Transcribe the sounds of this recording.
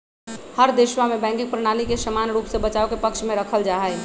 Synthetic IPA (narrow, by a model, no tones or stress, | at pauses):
həɾd̪eʃwamẽbɛ̃ŋkɪ̃ŋpɾənalikesəmanɾuːpsebət͡ʃaokepəkʃmẽɾəkʰəld͡ʒaɦəj